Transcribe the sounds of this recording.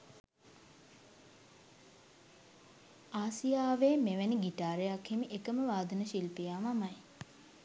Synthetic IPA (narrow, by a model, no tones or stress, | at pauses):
aːsijaːʋeːmeʋeniɡiʈaːɾejakhimiʔekəməʋaːd̪ənəʃilpijaːʋamaj